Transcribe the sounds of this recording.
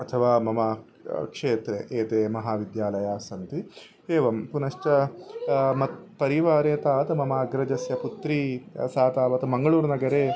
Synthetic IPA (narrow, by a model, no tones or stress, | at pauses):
ɐt̪ʰɐʋaːmɐmɐ | kʂeːt̪ɾeʔeːt̪eːmɐɦaːʋid̪jaːlɐjaːsɐnt̪i | eːʋɐmpunɐʂʈɐ | mɐt̪pɐɾiʋaːɾeːt̪aːt̪ɐmɐmaːɐɡɾɐd͡ʒɐsjɐput̪ɾiːsaːt̪aːʋɐt̪ɐmɐŋɡɐɭuːɾnɐɡɐɾeː